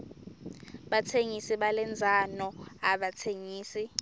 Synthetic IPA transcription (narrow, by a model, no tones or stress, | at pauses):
ɓatʰeŋisiɓalɛnd͡zʱanɔaɓatʰeŋiːsi